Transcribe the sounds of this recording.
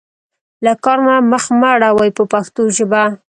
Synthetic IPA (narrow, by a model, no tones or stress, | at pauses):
lakɑɾnaməxmaɽawajpəpaxt̪oʒəba